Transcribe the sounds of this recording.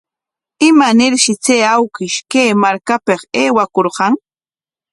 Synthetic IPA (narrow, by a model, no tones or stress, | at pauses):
ɪmanɪɾʃɪt͡seːawkɪʃkeːmaɾkapeqeːwakoɾqɑŋ